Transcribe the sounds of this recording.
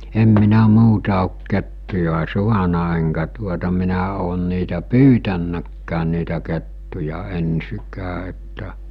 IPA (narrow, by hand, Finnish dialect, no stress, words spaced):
em minæ muːtɑ oˑk ketːujɑ suɑnɑ eŋkæ tuotɑ minæ oːn niːtæ pyːtænːækːæːn̆ niːtæ ketːujɑ ensikæː etːæ